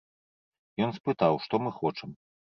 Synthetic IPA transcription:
jɔnspɨt̪awʂt̪ɔmɨxɔt͡ʂɐm

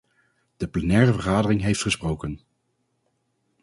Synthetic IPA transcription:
d̥əplɛnɛːrəvəχaːdərɪŋɦejftχəsprowkən

